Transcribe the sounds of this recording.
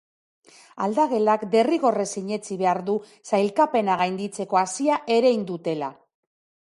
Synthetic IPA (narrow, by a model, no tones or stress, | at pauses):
ald̪aɣe̞lakd̪e̞riɣo̞re̞siɲe̞t͡siβe̞aɾðu | sajlkape̞naɣajnd̪it͡se̞ko̞asiaʔe̞ɾe̞jnd̪ut̪e̞la